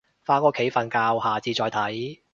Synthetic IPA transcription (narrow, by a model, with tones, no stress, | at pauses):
faː˧kɔː˧kʰe˨˥jfɐ˨˧nkaː˧whaː˨t͡siː˨˧t͡ʃɔː˧jt̪ʰɐ˨˥j